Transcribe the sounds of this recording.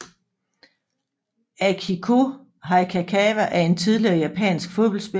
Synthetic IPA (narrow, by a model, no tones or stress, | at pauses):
ækʰikʰo | ɦɑ̈ɪkʰækʰɛːʋæʔæɐe̝nt͡sʰið̞ˠliɐːjæpʰɛ̰ːnsɡ̥fo̝ðˠb̥ɒlsb̥e